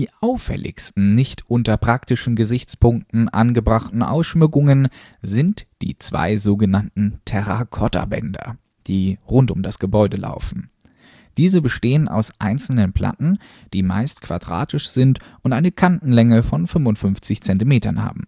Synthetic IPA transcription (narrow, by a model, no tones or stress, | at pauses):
diːʔaʊfɛ̰lɪ̰çstn̩nɪçtʔʊntɐpʁ̥aktɪʃn̩ɡəzɪçt͡spʊŋk̚tn̩ʔa̰nɡəbʁaχtn̩ʔa̰ʊsʃmʏkʊŋən | zɪntd̥ḭːt͡sv̥a̰ɪzoːɡənantn̩tʰɛʁakʰɔtʰa̰bɛ̰ndɐ̰ | d̥iːʁʊntʊmdasɡ̥əbɔʏdəla̰ʊfn̩ | d̥iːzəbəʃteːənʔa̰ʊsʔaɪnt͡sl̩nənpʰl̥ʔa̰tn̩ | d̥iːma̰ɪstkv̥a̰dʁa̰ːtɪʃz̥ɪntʔʊntʔaɪnəkʰanʔn̩lɛŋəfɔnfʏmvʊntfʏnft͡sɪçt͡sɛntimeːtɐ̰nha̰ːbm̩